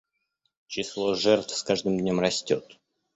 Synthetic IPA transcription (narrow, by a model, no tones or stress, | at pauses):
t͡ɕɪslˠoʐɛrt̪fskaʐd̪ɨmdʲnʲõmrɐsʲtʲot̪